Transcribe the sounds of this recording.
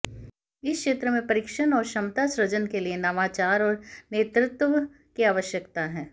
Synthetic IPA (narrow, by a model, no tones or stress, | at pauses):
ɪskʃeːt̪ɾəmẽpɐɾɪkʃənɔːɾʃɐ̃mt̪asɾɐd͡ʒənkelienɐʋaːt͡ʃaːɾɔːɾneːt̪ɾɪt̪ʋə | kiaːʋəʃjəkt̪aɦɛ̃ː